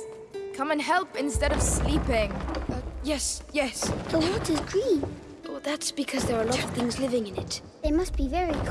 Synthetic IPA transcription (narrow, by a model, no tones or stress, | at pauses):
kʰʌ̃mə̃nɦɛlˠpɪ̃nstɛɾəv̥sliˑpɪ̃ŋʌjɛsjɛsðəwɔˑtɪzɡɹĩn | oðætsb̥ɨkʰɔzðəɹəlɔɾʌv̥θɪ̃ŋzlɪvɪ̃ŋɪ̃nɪt | ðemʌst̚b̥ivɛɹikʰ